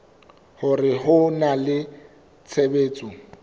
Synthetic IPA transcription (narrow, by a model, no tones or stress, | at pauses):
hʊrɪɦʊnalɪ | t͡sʰebeːt͡sʼʊ